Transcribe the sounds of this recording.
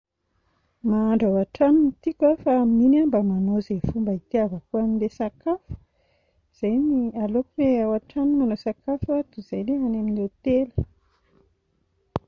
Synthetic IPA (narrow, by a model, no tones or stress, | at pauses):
maːɳɖ͡ʐawaʈ͡ʂaninit̪ikwafamminambamanozefumbəit̪iavəkuaminlesakafu̥ | z̥ajnialokuweawaʈ͡ʂanimanosakafuat̪uz̥ajleanaminet̪elə̥